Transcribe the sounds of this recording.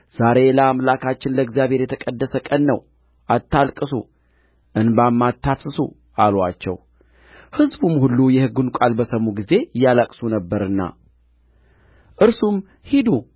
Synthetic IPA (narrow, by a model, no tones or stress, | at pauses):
z̥aɾe̞ləamlakʰat͡ʃːɪnləɨɡzjaβhe̞ɾjɛt̪ʰəkʼəd̪ːəsəkʼənːəw | ʔat̪ʰːalkʼɨsṵ | ʔɨnbamːat̪ʰːafsɨsṵ | ʔalwat͡ʃːɛ̰w | hɨzbumhulːujɛhɨɡːunkʷʼalbəsəmːuɡize̞jːalakʼsunəbːəɾɨnːa̰ | ʔɨɾsum | hid̪u